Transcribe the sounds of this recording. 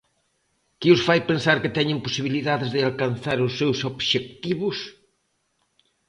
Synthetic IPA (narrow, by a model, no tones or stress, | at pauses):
kɪʊsfajpẽnsaɾkɪt̪ɛɲɪ̃mposiβiliðaðɪzðɪalkãnθaɾʊsːewsoβʃek̚t̪iβʊs